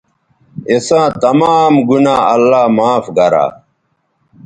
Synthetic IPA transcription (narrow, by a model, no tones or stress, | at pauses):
esãːt̪ɐmaːmɡunaːɐlːaːmaːfɡɐɾa̰ː